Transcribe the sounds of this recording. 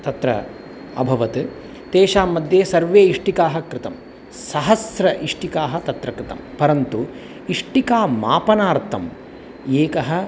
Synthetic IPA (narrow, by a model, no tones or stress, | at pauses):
t̪ɐt̪ɾɐ̰ | ɐ̰bʱɐʋɐt̪ɨ | t̪eːʃaːmːɐd̪ʱjeːsɐɾʋeːiʂʈikaːɦɐ̆kɾɪt̪ɐm | sɐɦɐsɾɐʔiʂʈikaːɦɐt̪ɐt̪ɾɐkɾɪt̪ɐ̰mpɐɾɐnt̪u | iʂʈikaːmaːpɐnaːɾt̪ʰɐm | eːkɐɦɐ̆